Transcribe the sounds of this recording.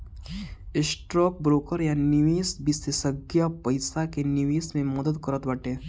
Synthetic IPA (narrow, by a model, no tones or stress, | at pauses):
ɪsʈɾɔːk̚bɾoːkəɾjanɪʋeːsbɪst̪ɪsəɡjapɐɪsakenɪʋeːsmẽmɐd̪əd̪kəɾət̪bɐʈẽː